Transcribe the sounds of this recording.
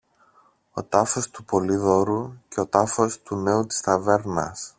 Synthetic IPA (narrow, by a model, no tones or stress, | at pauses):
o̞̰t̪ɐfo̞st̪upo̞liðo̞ɾuce̞o̞t̪ɐfo̞st̪une̞ut̪i̥st̪ɐve̞ɾnɐ̰s